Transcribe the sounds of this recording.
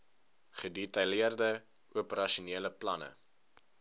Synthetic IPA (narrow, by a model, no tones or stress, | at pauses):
χədetɐjliərdəuəpəɾɐʃuniələplɐnə̰